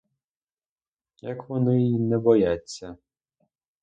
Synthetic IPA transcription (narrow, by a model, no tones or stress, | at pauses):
jɐkʋɔnɪinɛbɔjat͡sʲːɐ